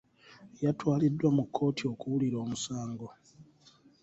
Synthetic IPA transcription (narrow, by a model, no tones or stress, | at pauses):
jatwaːlidːwamukʰːo̞ːtʰio̞kuwuliɾo̞ːmusaːŋɡo̞